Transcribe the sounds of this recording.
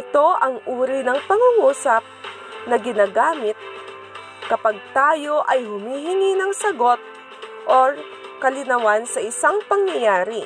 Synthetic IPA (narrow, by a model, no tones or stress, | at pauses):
ʔɪt̪o̞ʔɐŋʔuːɾɪnɐŋpɐŋuŋuːsɐp̚ | nɐɡɪnaːɡaːmɪt̪̚ | kɐpaɡ̚t̪aːjo̞ʔɐjhʊmiːɦɪŋinɐŋsɐɡo̞t̪̚ | ʔoɹ | kɐlɪnɐwansɐʔɪsaŋpɐŋjɐjaːɾɪ